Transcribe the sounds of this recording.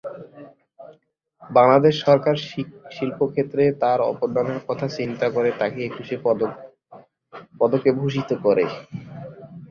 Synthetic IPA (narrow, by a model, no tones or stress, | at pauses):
baŋlad̪eʃːɔɾkaɾʃilpokʰet̪ːɾet̪aɾɔ̰poɾd̪anaɾkɔt̪ʰat͡ɕint̪akoɾet̪akeekuʃe | pɔd̪okebʱuʃit̪okoɾe